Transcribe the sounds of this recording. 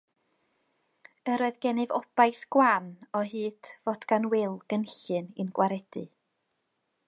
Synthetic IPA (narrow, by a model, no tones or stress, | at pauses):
əɾɔɨðɡɛnɨvɔb̥ajθɡ̥wanɔɦɨːd̥vodɡ̥anwɪlˠɡ̥ənɬɨnɨnɡwʔaɾɛd̥ɨ